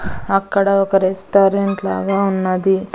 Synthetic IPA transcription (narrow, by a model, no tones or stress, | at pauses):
ɐkːɐɽɐɔkɐɾesʈaːɾeɳʈla̰ːɡaːunːɐd̪i